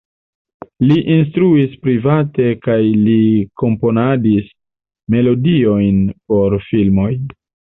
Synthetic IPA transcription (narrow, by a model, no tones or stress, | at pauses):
liʔins̬tɾuispɾivate̞kajliko̞mpo̞nadis | me̞lo̞dio̞jnpo̞ɾfilmo̞j